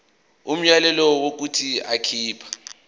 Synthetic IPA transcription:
um̩jalɛlɔwok̬utʰiakʰiːpʰḁ

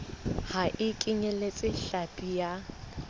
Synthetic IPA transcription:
haʔɪkʼɪɲelet͡sʼɪɬapʼija

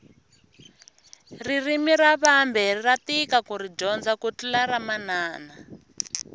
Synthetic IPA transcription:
ririmiɾaβambɛriratikakuɾid͡ʒɔnd͡zakutulaɾamanaːna

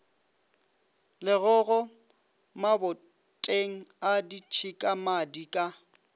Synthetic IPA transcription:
lɪɣʊɣɔ | mabʊ | tʼeŋ̩adit͡ʃʰikʼamadikʼa

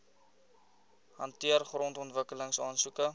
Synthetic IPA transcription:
ɦɐntiərχrɔntɔntvəkələŋsɑːnsukə

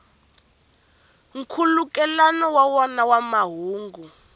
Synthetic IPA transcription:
ŋ̩kʰulukʼɛlanɔwawɔnawamaɦuːŋɡu

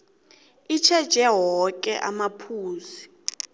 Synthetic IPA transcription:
it͡ʃʰɛd̥ʒ̥ʱɛɦɔkʼɛ̰ʔamapʰuːzi

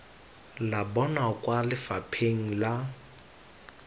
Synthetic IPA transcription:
labɔnakʼwalɪfapʰeŋ̩la

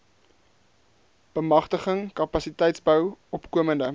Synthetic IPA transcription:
b̥əmɐχtəχəŋkɐpɐsitɛjtsbœwɔpkuəməndə

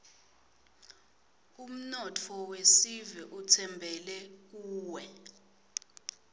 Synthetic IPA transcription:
um̩nɔtʰɔwesiviʔutʰɛmbʱɛlɛk̬uːwɛ

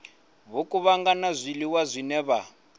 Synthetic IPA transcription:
βokʼuβaŋɡanazʷiliwazʷinɛβa

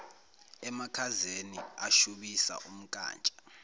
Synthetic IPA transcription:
ɛmakʰazeniaʃuɓisa̰ʔum̩kʼa̰ːnt͡ʃʼḁ

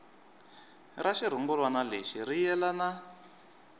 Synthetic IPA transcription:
raʃiɾ̤uŋɡulwanaleʃirijɛlana

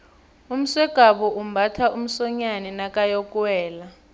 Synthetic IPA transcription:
um̩swɛɡ̥ʱaɓuʔum̩bʱatʰaʔum̩sɔɲanɛnakʼajɔkʼwɛːla

